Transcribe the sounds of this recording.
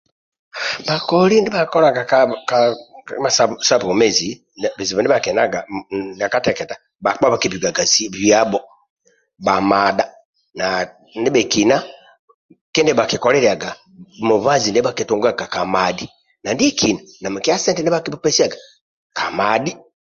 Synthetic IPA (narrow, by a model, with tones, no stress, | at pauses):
ba˨kɔli˦ndi˦ba˨kɔ˦la˨ɡa˨kka˦ma˨sasa˦bu˨u˨mɛ˦zi˨ | bɛ˨zi˨βɔ˨ndi˦a˨kɛ˨na˦ɡa˨na˨ka˦tɛkɛ˨ta | ba˨k͡pa˦βa˨ki˨bi˨ɡa˨ɡa˨ziβja˦bɔ | ba˨mada | na | ndi˦bɛ˨ki˨na˦ | ki˦ndi˦ba˨ki˨kɔlɛ˦ɾi˨a˨ɡa˨ | mu˨va˦zi˨ndɛ˦ba˨kitu˨ŋɡa˦ɡa˨ka˨madi˦ | na˨ndi˦ɛ˦ki˨na˨na˨mu˨ki˦a˦sɛ˦ndinɛ˦ba˦kibɔ˦pɛ˦si˦a˨ɡa˨ | ka˨madi˦